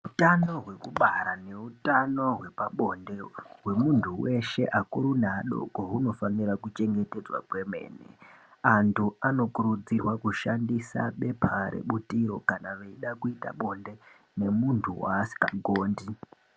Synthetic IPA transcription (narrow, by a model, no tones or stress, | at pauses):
utano̞ɦwe̞kuɓaɾane̞utano̞ɦwe̞paɓo̞nde̞we̞muntʰuwe̞ʃe̞ʔakuɾunaɗo̞̰koɦuno̞faniɾakut͡ʃe̞ŋɡe̞te̞d͡zwa̰kwe̞me̞̰ːnḛantʰuano̞kuɾud͡zirwakuʃandisa̰ɓe̞pʰaɾḛɓutiɾo̞̰kanaʋeiɗakuita̰ɓo̞nde̞ | ne̞muntʰuwa̰ːsi̥kaɡʱoːndi